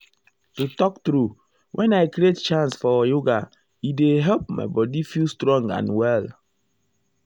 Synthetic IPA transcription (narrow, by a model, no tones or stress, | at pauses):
tutɔk̚tɾu | wʔɛ̃naɪkɾiet̚t͡ʃãnsfɔjoɡa | ideɦɛlp̚ma̰ɪbɔdifilstɾɔ̃ŋã̰nwɛl